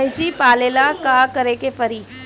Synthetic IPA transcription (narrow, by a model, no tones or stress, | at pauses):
ɪsipaːleːlakaːkɐɾekepɐɾiː